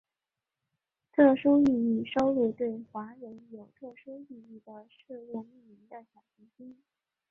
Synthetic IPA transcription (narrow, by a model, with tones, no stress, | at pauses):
t̪ʰɤ˥˩ʂu˥y˥˧i˥˩ʂo˥ʊlu˥˧t̪we˥˩ɪxwa˧˥ɻə˧˥njo˨˩ʊt̪ʰɤ˥˩ʂu˥y˥˧i˥˩d̪ə˩ʂɻ̩˥˧lɛ˥˧y˥˩mi˧˥ŋd̪ə˧ɕjɑ˨˩ʊɕi˧˥ɕi˥ŋ